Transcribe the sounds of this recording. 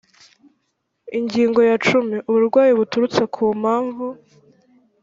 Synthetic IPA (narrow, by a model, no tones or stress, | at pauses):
iɲɟiːŋɡo̞jat͡ʃumiʔuβuɾɡwaːjiβutuɾut͡sekʰuːmhaːɱvu